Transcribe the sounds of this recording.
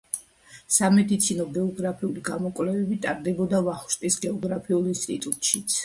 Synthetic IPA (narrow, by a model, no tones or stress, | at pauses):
samɛd̪it̪sʰinɔɡɛɔɡɾapʰiuliɡamɔkʼwvlɛvɛbit̪ʼaɾd̪ɛbɔd̪avaχʃt̪ʼisɡɛɔɡɾapʰiulˠinst̪ʼit̪ʼut̪ʼʃit̪sʰ